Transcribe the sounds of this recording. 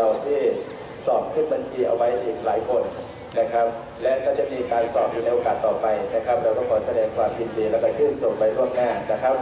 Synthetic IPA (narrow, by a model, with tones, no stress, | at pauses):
a˧wt̪ʰiː˥˩ | sɔː˨˩p̚kʰɯː˥˩nba˧nt͡ɕʰiː˧ʔa̰˧wa˦˥jʔiː˨˩k̚laː˩˦jkʰo˧n | na˦˥kʰa˦˥p̚ | lɛ˦˥ʔkɔː˥˩t͡ɕa˨˩miː˧kaː˧nsɔː˨˩p̚juː˨˩na˧jʔoː˧kaː˨˩t̪ːɔː˨˩pa˧jna˦˥kʰa˦˥p̚ɾɛː˧wkɔː˥˩kʰɔː˨˩˦sa˧dɛː˧ŋkʰwaː˧mji˧ndiː˧lɛː˦˥˩wkɔ˥˩t͡ɕʰɯː˥˩nso˨˩nwa˧jɾu˥˩əmnaː˥˩na˦˥kʰa˦˥p̚